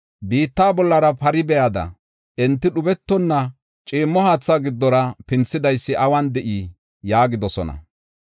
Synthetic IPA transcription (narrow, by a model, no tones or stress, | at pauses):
biːt̪ːaːbɔlːɐɾɐpɐɾɪbɛjɐd̪ɐ̰ | ʔɛnt̪ːɪɗʊbɛt̪ːɔnːɐ | t͡ʃʼiːmːɔhaːt͡sːaɡɪd̪ːɔɾɐpɪnt͡sːɪd̪ɐjsːɪʔɐwɐnd̪ɛʔi | jaːɡɪd̪ɔsɔ̰nɐ̰